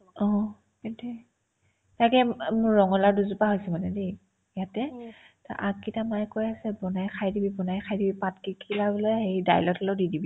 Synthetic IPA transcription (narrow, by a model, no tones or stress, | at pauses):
ɔ̃ | kintɛ | takɛmʊɹɹɔŋɔlaɹduzupaɦojsɛmanɛde | jatɛ | taʔa̰kitamajkojasɛbɔnajxʰajdibibɔnajxʰajdibipatkikʰilabɔlɔjhejda̰jlɔtʰɔloʊdidibi